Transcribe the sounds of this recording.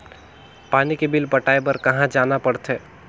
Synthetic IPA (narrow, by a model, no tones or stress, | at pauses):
paːnikebɪlpəʈaːebəɾkəɦãd͡ʒaːnapəɽt̪ʰeː